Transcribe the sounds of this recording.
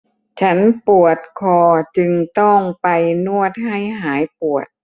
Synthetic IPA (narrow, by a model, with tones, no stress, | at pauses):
t͡ɕʰa˦˥npu˨˩ət̪̚kʰɔː˧t͡ɕɯ˧ŋt̪ɔ˥˩ŋpa˧jnu˥˩ət̪̚ha˥˩jɦaː˩˦jpu˨˩ət̪̚